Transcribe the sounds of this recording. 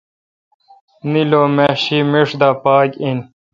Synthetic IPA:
niloːmeɕimiʂd̪aːpaːkin

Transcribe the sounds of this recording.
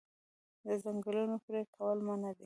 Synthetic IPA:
d̪əzaŋɡəlunopɾekʰawəlmanad̪e

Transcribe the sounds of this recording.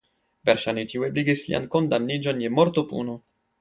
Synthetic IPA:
veɾʃanit̪iwebliɡislḭʔa̰nkond̪amnid͡ʒonjemoɾt̪opṵnu

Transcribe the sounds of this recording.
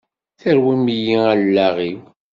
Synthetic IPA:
θəɾwimjiælːæʁiw

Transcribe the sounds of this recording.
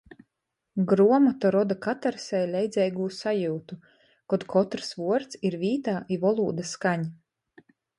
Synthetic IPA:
ɡɾuɔmɔt̪ɔɾɔd̪akat̪aɾsɛjlʲɛjd̪zʲɛjɡuːsajuːt̪u | kɔd̪kʰɔt̪ɾsvuɔɾt̪siɾvʲiːt̪aːʔivɔlˠuːd̪ɐskaɲ

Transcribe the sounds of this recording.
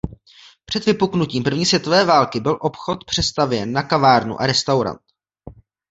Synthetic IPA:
pr̝̥ɛd̪vɪpuknuciːmpr̩vɲiːsvjɛt̪o̞vɛːvaːlkɪbɪlʔo̞pxo̞t̪pr̝̥ɛst̪avjɛnːakavaːɾnṵʔa̰ɾɛst̪awɾa̰nt̪

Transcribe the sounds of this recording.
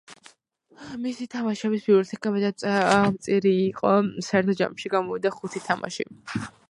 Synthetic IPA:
misit̪ʰamaʃɛbisbiuɾɛt̪ʰɛkʼabɛd̪amt̪sʼiɾiːqʼɔsaɛɾt̪ʰɔd͡ʒa̰mʃiɡamɔvid̪aχut̪ʰit̪ʰamʔa̰ʃḭ

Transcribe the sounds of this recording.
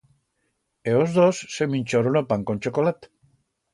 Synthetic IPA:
eozðosːeminʲt͡ʃoɾonapaŋkonʲt͡ʃokolat̪

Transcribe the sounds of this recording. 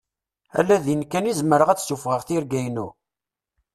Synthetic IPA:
æ̰lːæðjənkːænizməɾəʁæt͡ssufʁəʁθiɾɡæjnu

